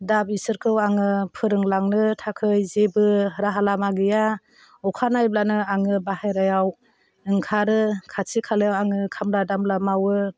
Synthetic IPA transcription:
dabisɯɾkʰɯwaŋɯpʰɯɾɯŋlaŋnɯtʰakʰɯjzebɯɾaɦalamaɡɯja | ɔkʰanajblanɯaŋɯbaɦajɾajaw | ɯŋkʰaɾɯkʰasikʰalɯjawaŋɯkʰamladamlamawɯ

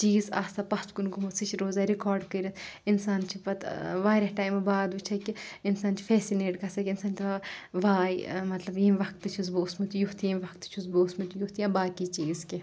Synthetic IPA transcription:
t͡ʃiːzaːst̪aːpɐt͡ʃkunɡumusit͡ʃʰɾoːzaːɾikɔːɾɖkəɾɐt̪insaːnt͡ʃʰiʋɐt̪ʋaːɾɐʈaːjmɐbaːd̪ʋut͡ʃʰɐkiinsaːnt͡ʃʰi̥fʰeːsineːʈkɐsɐkʲinsaːnt̪ʰiʋaʋaːjmɐt̪lɐbjiːmʋɐk̚t̪ɨt͡ʃʰuzboːsmut̪ujuɦt̪ʰjimʲʋɐkt̪ɨ̥t͡ʃʰusboːsmut̪ujuɦt̪ijãːbaːkit͡ʃiːzkʲi

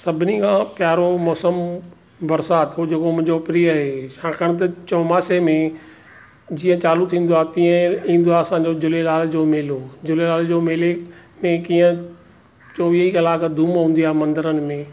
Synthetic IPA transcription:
sɐbʱɪnikʰãːpjaːɾomɔːsəm | bɐɾsaːt̪ɦoːd͡ʑɐkomʊ̃ɪ̃ɲd͡ʑopɪɾiəɦeːʃãːkʰəɽ̃t̪̬ɐt͡ɕɔːmaːsemẽ | d͡ʑiːə̃t͡ɕaːlut̪ʰĩːn̆d̪oaːt̪ĩə̃ĩːn̆d̪oaːɐsãːɲd͡ʑoːd͡ʑʊlelaːld͡ʑoːmɪːloːd͡ʑʊlelaːld͡ʑoːmɪːlemẽkiːə̃ | t͡ʃoːʋiiɐlaːkəd̪ʱuːmɦũːn̆d̪iaːmɐ̃nd̪əɾənɪ̆mẽː

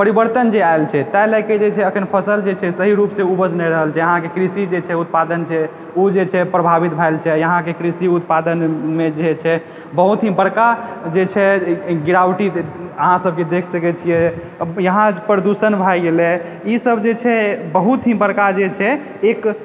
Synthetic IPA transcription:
pəɾibəɾt̪ənd͡ʒeaelt͡ʃʰɛt̪ajlajked͡ʒet͡ʃʰɛəkʰənpʰəsəld͡ʒet͡ʃʰɛsəɦiɾupsẽubəd͡ʒnɛjɾəɦəlt͡ʃʰɛɦãkekɾisid͡ʒet͡ʃʰɛut̪̚pad̪ənt͡ʃʰɛ | ud͡ʒet͡ʃʰɛpɾəbʱabit̪bʱajlt͡ʃʰɛjəɦãkekɾisiut̪pad̪ənmed͡ʒet͡ʃʰɛ | bəɦut̪ɦĩbəɽkad͡ʒet͡ʃʰɛɡiɾawʈiəɦãsəb̚ked̪ekʰsəkɛt͡ʃʰijɛ | jəɦãpɾəd̪usənbʱajɡelɛ | isəbd͡ʒet͡ʃʰɛbəɦut̪ɦĩbəɽkad͡ʒet͡ʃʰɛ | ek

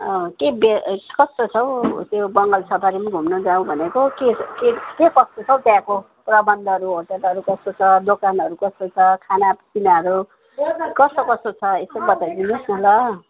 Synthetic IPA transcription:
ʌkebekʌst̪ot͡sʰʌw̃tjobʌŋɡʌlsʰʌpʰaɾimʌɡʱumnʌd͡zaw̃bʱʌnekokekekekʌst̪ot͡sʰʌw̃t̪jãko | prʌbʌnd̪ʱʌʌɾuɦoʈʌlʌɾukʌst̪ot͡sʰʌd̪okanʌɾukʌst̪ot͡sʰʌkʰanat͡sinaʌɾu | kʌsokʌst̪ot͡sʰʌesʌbʌt̪ajd̪inisnʌɦlʌ

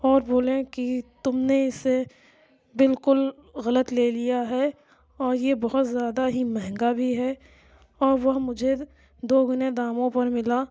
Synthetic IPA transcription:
ɔːɾboːlẽkit̪ʊmneɪsːe | bɪlkʊl | ɣɐlət̪leːlijaɦɛː | ɔːɾjebɔɦʊt̪zjaːd̪aɦimɛɦɛ̃ŋɡabʱiɦɛː | ɔːɾʋɐɦmʊd͡ʒʱe | d̪oːɡʊned̪aːmõpɐɾmɪla

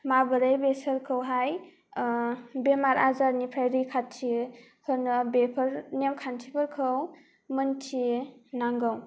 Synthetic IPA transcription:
mabɯɾajbesəɾkʰɯwɦaj | bemaɾazaɾnipʰɾajɾijkʰatʰi | hɯnɯbepʰɯɾnemkʰantʰipʰɯɾkʰɯw | mɯntʰinaŋɡɯw

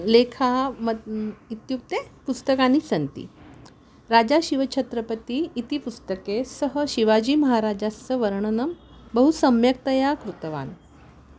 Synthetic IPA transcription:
lekʰaməit̪juk̚t̪epust̪əkanisənt̪ḭː | ɾad͡ʑaɕiʋət͡ɕʰət̪ɾəpət̪iːt̪ipust̪əkesəɦəɕiʋad͡ʑiːməɦaɾad͡ʑasəʋəɾɳ̃ənəm | bəɦusəmjək̚t̪əjakɾut̪əʋa̰n

